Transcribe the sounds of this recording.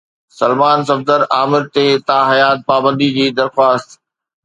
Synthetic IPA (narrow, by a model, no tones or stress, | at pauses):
sɐlmaːnsɐbd̪əɾaːmɪɾt̪eːt̪aːɦɐjaːt̪̚paːbə̃nd̪id͡ʑiːd̪ɐɾxwaːst̪